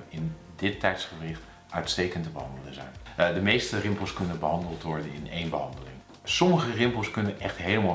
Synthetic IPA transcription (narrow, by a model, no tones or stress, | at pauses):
ɪn | dɪtːɛjtsχərɪχt | ʔœɥtstejkəntəbəɦɑndələŋzɛ̰jndəmejstərɪmpəl̩ˠskɵnənbəɦɑndəlˠtʋɔɹdənɪ̰nejnbəɦɑndəlɪŋ | sɔməχərɪmpəlˠskɵnənʔɛχtɦejləma